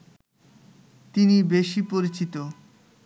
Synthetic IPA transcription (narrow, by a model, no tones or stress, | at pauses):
t̪inibeʃipoɾit͡ɕit̪o